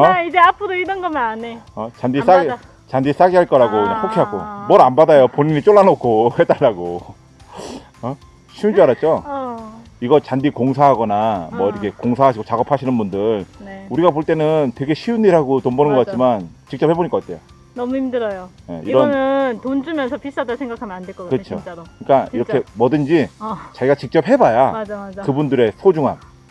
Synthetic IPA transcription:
ʌid͡ʑeapʰɯɾoiɾʌnɡʌmaaneʌt͡ɕandis͈a | t͡ɕandis͈aɡiɦaɭk͈ʌɾaɡonakʰokʰiɦako̰mʌɾanbadajopoɲiɲit͡ɕ͈oɭːanokʰohe̞daɭːaɡo | ʌ | ɕʰiund͡ʑuaɾat̚t͡ɕ͈o | iɡʌt͡ɕandikoŋsʰaɦaɡʌnamwʌiɾʌkʰe̞koŋsʰaɦaɕʰiɡot͡ɕaɡʌpʰaɕʰinɯnbundɯɾneuɾiɡapoɭt͈e̞nɯntwe̞ɡe̞ɕʰiunːiɾɦaɡotombʌnɯnɡʌk͈at̚t͡ɕ͈imant͡ɕik̚t͡ɕʌphe̞boɲikʌk͈atʰe̞jo | nʌmuimdɯɾʌjone̞̰ḭɾʌnɯntond͡ʑumjʌnsʰʌpʰis͈adasʰeŋɡakʰamjʌnandwek͈ʌɡkɯt͡ɕʰokɯɲik͈aiɾʌkʰe̞mʌdɯnd͡ʑit͡ɕaɡiɡat͡ɕik̚t͡ɕ͈ʌp̚hebajamad͡ʑaad͡ʑakɯbundɯɾe̞sʰod͡ʑuŋan

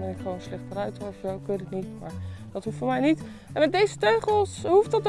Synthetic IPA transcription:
bɛnɪkχʋownslɛχtərœɥtɔfokəndətnitma̰ːɹd̥ɑtɦuftfoːɹmɛjnit | ɛnmɛt̚dejzətøɥχəlˠsɦuftdɑt

